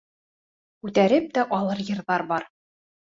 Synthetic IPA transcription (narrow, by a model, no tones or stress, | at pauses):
kʉt̪æɾɘp̚t̪æʔɒlˠɤɾjɤ̆ɾðɑɾbɑɾ